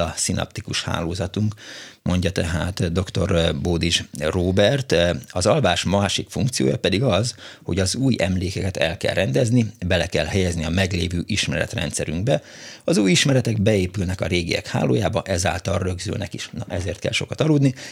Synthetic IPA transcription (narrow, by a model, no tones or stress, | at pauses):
ɒsinʔɒ̰p̚t̪ikuʃha̰ːloːzɒt̪uŋkmʔo̞ɲɟɒt̪ɛɦaːt̪d̪o̞kt̪o̞rboːd̪iʒroːbɛrt̪ɒzɒlvaːʃmɒʃikfuŋkt̪sijo̰ːjɒpɛd̪iɡɒzho̞ɟɒzuːjɛmleːkɛkɛt̪ɛlkɛ̰lːɛnd̪ɛznibɛlɛkɛlhɛjɛzniɒmɛɡleːvøːʔiʃmɛɾɛ̰t̪rɛ̰nt̪sɛɾyŋɡ̚bɛ | ɒzuːjiʃmɛɾɛt̪ɛɡbɛeːpylnɛkɒɾeːɡiɛ̰kha̰ːlo̰ːjaːbɒʔɛza̰ːlt̪ɒlrø̞ɡzy̰lnɛkiʃnɒʔɛzeːrt̪̚kɛ̰lʃo̞̰kɒt̪ɒluːd̪ni